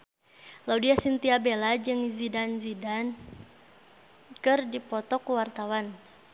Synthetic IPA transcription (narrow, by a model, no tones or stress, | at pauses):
laudiasint̪iabelad͡ʒɨŋzidanzidan | kɨrdipɔt̪ɔkuwart̪awan